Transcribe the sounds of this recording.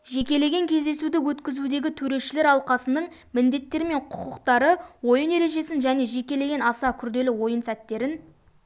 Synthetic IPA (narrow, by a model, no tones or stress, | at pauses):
ʒe̞kʲe̞le̞ɡʲeŋkʲʰe̞zd̪e̞sud̪ɪwɵt̪kʲɪzud̪e̞ɡʲɪt̪ʰɵɾe̞ʃɪle̞ɾɑlˠqɑsənəɴmɪnd̪e̞t̪ːe̞ɾɪme̞ɴqʰʊ̥qʊqt̪ɑɾəwo̞jəne̞ɾe̞ʒe̞sɪnʒæne̞ʒe̞kʲe̞le̞ɡʲe̞nɑsɑkʲʰʏɾd̪e̞lɪwo̞jənsæt̪ːe̞ɾɪn